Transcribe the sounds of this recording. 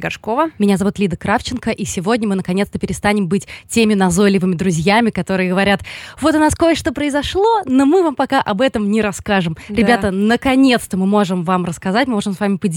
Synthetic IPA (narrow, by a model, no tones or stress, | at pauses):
ɡɐʂkovəmʲɪnʲazɐvut̪lʲid̪əkɾaft͡ɕɪnkəʔisʲɪvo̞dʲnʲəmɨnəkɐnʲet̪st̪əpʲɪɾʲɪst̪anʲɪmbɨtʲtʲemʲɪnɐzo̞lʲɪvɨmʲɪd̪ɾʊzʲjamʲɪkɐt̪o̞ɾɨjəɡəvɐɾʲat̪vo̞t̪ʊnaskojəʂt̪opɾəɪzɐʂlˠo̞nomɨvampɐkaʔɐbɛt̪əmnʲɪɾɐskaʐɨmɾʲɪbʲat̪ənəkɐnʲe̞t̪st̪əmɨmo̞ʐɨmvamrəskɐzatʲmɨmo̞ʐɨmsvamʲɪpədʲ